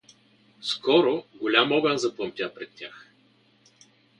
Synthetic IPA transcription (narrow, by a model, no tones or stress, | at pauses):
skɔɾoɡolʲamɔɡanzɐplˠəmt̪ʲapɾɛt̪tʲːax